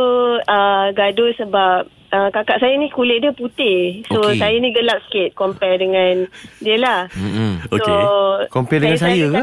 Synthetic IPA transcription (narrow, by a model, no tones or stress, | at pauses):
oəɡadosəbap̚ | əkakaʔsajanĩkulɪʔ̚diəput̪ɪsosajanĩɡəlap̚skɪt̪̚kɔmpɛrdəŋãndiəlahookɔmpɛrdəŋans̬ajəka